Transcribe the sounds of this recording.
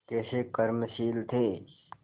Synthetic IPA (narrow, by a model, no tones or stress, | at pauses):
kɛːsekəɾmʃiːlt̪ʰeː